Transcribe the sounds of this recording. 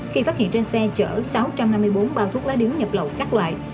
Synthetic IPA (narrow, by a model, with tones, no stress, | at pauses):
xi˧faː˦˥t̚hḭ˧˨ənt͡ɕe˧nsɛ˧t͡ɕə̰ː˧˩sa˨˦wt͡ɕa˧mna˧mːɨ˧əjɓo˨˦nɓaː˧wt̪ʰu˦˥ək̚laː˨˦jɗɨ˨˦əŋɲə˨˩p̚lə̰˧˨wkaː˦˥k̚lwa̰ː˧˨jʔ